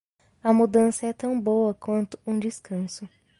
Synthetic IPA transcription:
ɐmud̪ɐ̃sɐɛt̪ɐ̃w̃bowɐkwɐ̃nt̪ʊũd͡ʒɪskɐ̃sʊ

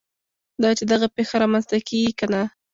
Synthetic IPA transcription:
d̪ɑt͡ʃed̪aɣapexaɾɑmanzt̪akeɡikana

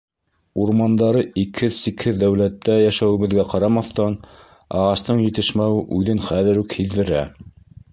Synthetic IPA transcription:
uɾmɑnd̪ɑɾɤikhɘðsikhɘðd̪ːæwlæt̪ːæjæʃæwɘ̆βɘ̆ðɡæqɑɾɑmɑθt̪ɑn | ɑ̰ʁɑst̪ɤɴjɘ̆t̪ɘ̆ʃmæwɘʔʉðɘnχæðɘɾʉkhiðːɘ̆ɾæ

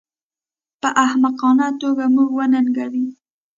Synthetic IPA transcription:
pəʔahmaqɑnat̪oɡamuɡwənanɡawi

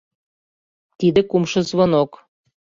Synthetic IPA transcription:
t̪id̪ə̆kumʃɤ̆zβonok

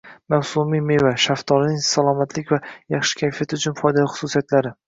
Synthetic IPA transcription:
mawsʊmijme̞vaʃaft̪ʰɒlnɪŋsalˠɒmat̪ʰlɪkʲvajɑχʃɪ̥kʲʰajfijat̪ɪʊt͡ʃʰʊnfɒjd̪alɪχʊ̥susijat̪laɾɪ

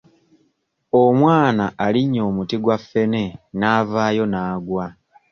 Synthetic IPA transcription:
o̞mwaːnaʔːliɲːo̞ːmutiɡwafːe̞ne̞naːvaːjo̞naːɡwa

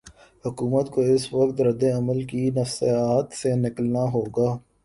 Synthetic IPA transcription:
hʊkuːmət̪koɪsʋɐkt̪ɾɐd̪ːeɐməlkinɐfseaːt̪senɪkəlnaɦoːɡaː

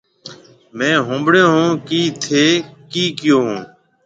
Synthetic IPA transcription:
mɛ̃ːɦõːmbɽẽːɦũːkiːt̪ʰeːkiːkɪjoːɦũː

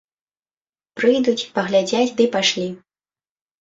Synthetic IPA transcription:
pɾɨjd̪ut͡sʲpɐɣlʲad͡zʲat͡sʲd̪ɨpaʂlʲi

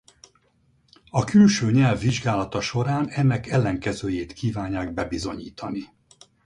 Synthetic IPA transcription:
ɒkylʃøːɲɛlvːiʒɡaːlɒt̪ɒʃo̞ɾaːnɛnːɛkɛlːɛŋkɛzøːjeːt̪kiːvaːɲːaːɡ̚bɛbizo̞ɲiːt̪ʰɒni

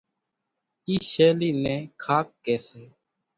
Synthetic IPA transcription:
iːʃeːliːnɛ̃ːkʰaːkːeːseː

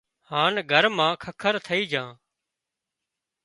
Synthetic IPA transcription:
haːnɡʱəɾmãːkʰəkʰəɾt̪ʰəiːd͡ʒʱãː

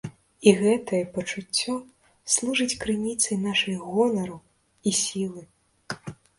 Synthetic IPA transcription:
iɣɛt̪ɐjɛpɐt͡ʂut͡sʲːɔ | slˠuʐɨt͡sʲkɾɨnʲit̪sɐjnaʂɨjɣɔlˠɐɾɐ | isʲilˠɨ

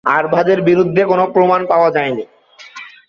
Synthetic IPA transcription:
aɾbʱadeɾbiɾud̪ʱːekonopɾomanpaoad͡ʑajni

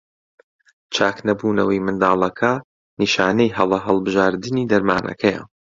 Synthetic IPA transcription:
t͡ʃʰaːknɐbuːnɐwɐjmɨnd̪aːlˠɐkʰɐ | niːʃaːnejɦɐlˠɐɦɐlˠbɨʒaːɾd̪ɨniːd̪ɐɾmaːnʔɐ̰kʰɐjɐ̰

